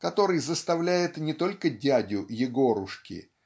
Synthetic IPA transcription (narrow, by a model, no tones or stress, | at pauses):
kɐt̪o̞ɾɨjzəst̪ɐvlʲæjɪt̪nʲɪt̪o̞lʲkədʲædʲʊjɪɡo̞ɾʊʂkʲɪ̰